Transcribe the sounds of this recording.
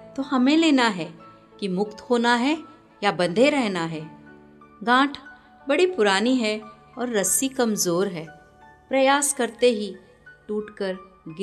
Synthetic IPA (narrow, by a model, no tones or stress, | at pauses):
t̪oːhɐmẽleːnaɦɛ | kimʊkt̪hoːnaɦɛ | jabɐ̃nd̪ʱeɾɛɦnaɦɛː | ɡãːʈʰ | bɐɽipʊɾaːniɦɛ | ɔːɾːɐsikɐmzoːɾɦɛː | pɾɐjaːskɐɾt̪eɦi | ʈuːʈkəɾ | ɡ